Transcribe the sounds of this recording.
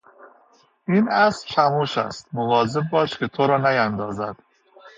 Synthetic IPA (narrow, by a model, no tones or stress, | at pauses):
ʔiːnæsʃæmuːʃæ̰st̪̚movɒːzeb̚bɒːʃkʲʰet̪ʰoɾɒːnæjænd̪ɒːzæd̪̥